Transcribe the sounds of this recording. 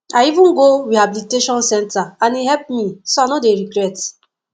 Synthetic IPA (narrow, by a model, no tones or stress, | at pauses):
aivũnɡoɾihabiliteʃɔ̃nsɛ̃ntaãnihɛlp̚misoanodeɾiɡɾɛt